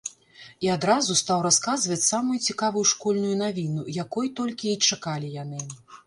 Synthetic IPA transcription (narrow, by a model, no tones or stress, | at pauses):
iad̪ɾazust̪awɾaskazvɐt͡sʲsamujut͡sʲikavujuʂkɔlʲnujunavʲinujakɔjt̪ɔlʲkʲiːt͡ʂakalʲijanɨ